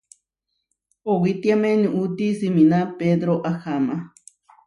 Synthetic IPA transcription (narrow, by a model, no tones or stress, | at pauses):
owit̪jameniʔut̪isiminaped̪ɾoʔaxama